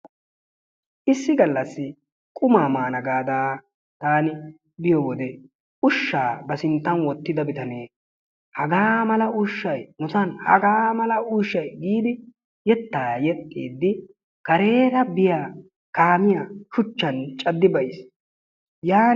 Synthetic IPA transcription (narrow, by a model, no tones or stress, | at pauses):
ʔɪsːɪɡɐlːɐsːɪ | kʼʊmaːmaːnɐɡaːd̪aː | t̪aːnɪ | bɪjɔwɔd̪ɛ | ʊʃːaːbɐsɪnt̪ːɐnwɔt̪ːɪd̪ɐbɪt̪ɐneː | hɐɡaːmɐlɐʊʃːɐjnʊt̪ɐnhɐ̰ɡaːmɐlɐʊʃːɐjɡiːd̪ɪ | jɛt̪ːaːjɛt̪ʼːḭːd̪ːɪ | kɐɾe̞ːɾɐbɪjaː | kaːmɪjaʃʊt͡ʃːɐnt͡ʃʼɐd̪ːɪbɐʔɪs | jaː